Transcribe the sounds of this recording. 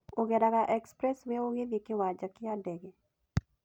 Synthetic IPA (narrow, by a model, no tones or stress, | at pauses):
oɡedaɡaʔɛkspɾɛsweoɡedikɪwad͡ʒakɪadɛɡe